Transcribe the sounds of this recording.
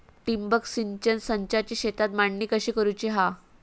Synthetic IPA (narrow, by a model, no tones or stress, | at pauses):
ʈimbəksiɲt͡ɕənsəɲt͡ɕat͡ɕiːɕet̪at̪maɳnikəɕiːkəɾujt͡ɕiɦa